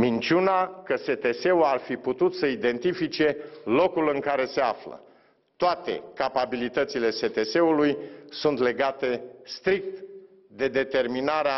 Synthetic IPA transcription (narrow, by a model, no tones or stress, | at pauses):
mint͡ʃunakəse̞t̪e̞se̞uarfiput̪ut̪səid̪e̞nt̪ifit͡ʃe̞lo̞kulɨŋkaɾe̞se̞aflə̰ | t̪oat̪e̞̰kapabilit̪ət̪sile̞se̞t̪e̞se̞ulujsunt̪le̞ɡat̪e̞st̪ɾik̚t̪ | d̪e̞d̪e̞t̪e̞rminaɾea